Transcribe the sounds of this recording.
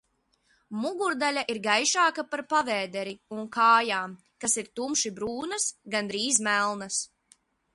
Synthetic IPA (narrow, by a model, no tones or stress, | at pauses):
muɡuɾd̪alʲaʔiɾɡajʃaːkapaɾpavɛːd̪ɛɾiunkʰaːjaːm | kasiɾt̪umʃibɾuːnɐsɡand̪ɾiːzmælˠnas